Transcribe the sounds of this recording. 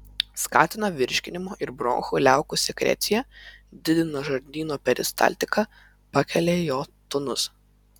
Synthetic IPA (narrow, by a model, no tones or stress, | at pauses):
skɑ̰ːt̪ʲɪnɐʋʲɪɾʲʃʲkʲɪnʲɪmoːʔɪɾbɾɔ̰ːŋxʊlʲæˑʊkʊsʲɛkɾʲɛ̰t̪sʲɪjɛd̪ʲɪd̪ʲɪnoʒɐɾʲd̪ʲiːnoːpʲɛɾʲɪ̰st̪ɐ̰lʲt̪ʲɪkɑ | pɐkʲɛlʲeːjoːt̪ʊnʊs